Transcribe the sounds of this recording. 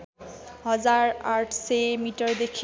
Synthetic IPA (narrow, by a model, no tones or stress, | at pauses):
ɦʌd͡zaɹaʈʰsemiʈʌɹd̪ekʰ